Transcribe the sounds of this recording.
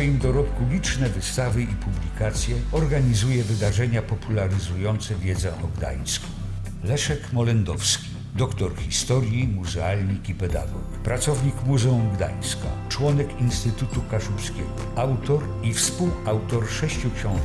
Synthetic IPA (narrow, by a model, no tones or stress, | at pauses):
jimd̪ɔɾɔkulʲit͡ʂnɛvɘst̪avɘipublʲikat̪sʲjɛɔɾɡaɲizujɛvɘd̪aʐɛɲapɔpulaɾɘzujɔnt̪sɛvʲjɛd̪zɛ̰ʔɔɡd̪a̰j̃skɔ̃w | lɛʂɛkmɔlɛnd̪ɔfskʲi | d̪ɔkt̪ɔɾxʲist̪ɔɾʲjimuzɛalʲɲikipɛd̪a̰ɡɔkpɾat̪sɔvɲikmuzɛumɡd̪a̰j̃ska̰t͡ʂwɔnɛkinst̪ɘt̪ut̪ukaʂumskʲɛɡɔawt̪ɔɾ | ifspuwawt̪ɔɾʂɛɕt͡ɕukɕɔ̃w̃